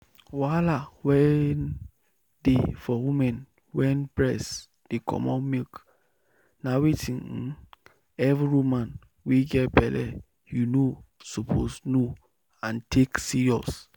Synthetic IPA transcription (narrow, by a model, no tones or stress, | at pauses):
walawɛn | defɔwĩmɛ̃n | wɛ̃npɹɛs | d̥ikʰɔ̰mɔ̰̃mik | nawitʰĩn | ɛviɹumãn | wiɡɛtbɛlɛ̰ | junosɔpʰosno | ãntʰeksiɹjɔs